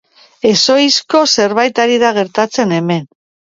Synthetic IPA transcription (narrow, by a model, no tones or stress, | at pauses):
e̞so̞jsko̞se̞ɾβajt̪aɾiðaɣe̞ɾt̪at͡se̞ne̞me̞n